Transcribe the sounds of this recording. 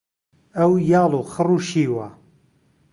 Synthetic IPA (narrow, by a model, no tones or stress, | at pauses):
ɐwjɑːlˠuxəruːʃiːwa